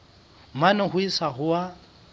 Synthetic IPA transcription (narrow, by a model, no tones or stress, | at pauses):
manɛɦʊisaɦʊa